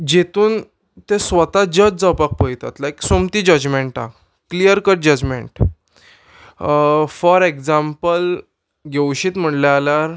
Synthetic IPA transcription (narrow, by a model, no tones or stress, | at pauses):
d͡ʑet̪uːn | t̪ẽsʋət̪ad͡ʑət͡sd͡zəpak̚pəjt̪at̪lajksomt̪iːd͡ʑəd͡ʑmẽɳʈa̰ | kːlijəɾkəʈ̚d͡ʑəd͡ʑmḛ̃ɳʈ | fɔɾekd͡zãmpəl | ɡʱewɕiːt̪m̤əɳljaːlaɾ